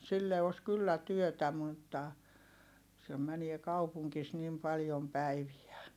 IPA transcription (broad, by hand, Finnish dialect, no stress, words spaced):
silːe os kylːæ tyøtæ mutːɑ sem̆ mænie kɑupuŋkis nim pɑljom pæiʋiæ